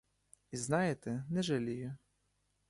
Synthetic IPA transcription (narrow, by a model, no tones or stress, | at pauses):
iznɑjet̪ɛnɛʒɐlʲijʊ